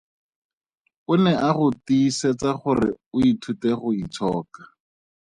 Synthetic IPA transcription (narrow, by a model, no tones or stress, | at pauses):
ʊnɛʔaχʊtiːset͡saχʊrɪ̰ʊitʰuteχʊit͡sʰɔːkḁ